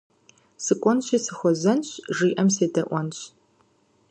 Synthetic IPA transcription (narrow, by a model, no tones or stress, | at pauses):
sɨkʷʼɔnɕisɨxʷɔzɐnɕʒiːʔɐmseːdɐʔʷɔnɕ